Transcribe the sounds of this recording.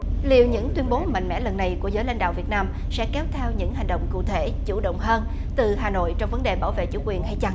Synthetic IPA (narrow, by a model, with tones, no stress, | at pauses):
lḭ˨əwɲɨ̰˧˥ŋt̪wi˧ənɓo˨˦ma̰˧˨ŋ̟mɛ̰˧˥lə˨˩nːa˨˩jku˧˩əzəː˨˦jla̰˧ŋɗa̰ː˧˨wvi˨˩ət̚naː˧m | sɛ̰˧˥kɛ˨˦wt̪ʰɛ˧wɲɨ̰˧˥ŋɦa˨˩jŋ̟ɗo̰˧˨wŋ͡mkṵ˧˨t̪ʰe˧˩t͡ɕṵ˧˩ɗə̰˧˨wŋ͡mɦəː˧n | t̪ɨ˨˩ɦaː˨˩no̰˧˨jt͡ɕɔ˧wŋ͡mvə˨˦nɗe˨˩ɓaː˧˩wvḛ˧˨t͡ɕṵ˧˩kwi˨˩ənha˧jt͡ɕa˧ŋ